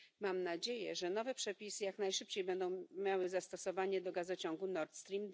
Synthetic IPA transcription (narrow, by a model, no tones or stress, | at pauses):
mamnad͡ʑejɛ̰ʐɛnɔvɛpʂɛpʲisɘjaknajʂɘp̚t͡ɕejbɛnd̪ɔ̃w̃mʲjawɘzast̪ɔsɔvaɲɛd̪ɔɡazɔt͡ɕɔŋɡunɔɾt̪st̪ɾʲimd̪